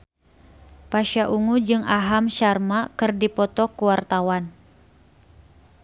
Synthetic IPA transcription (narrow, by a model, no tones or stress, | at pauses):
paʃaʔuŋud͡ʒɨŋaɦamʃarmakɨrdipɔt̪ɔkuwart̪awan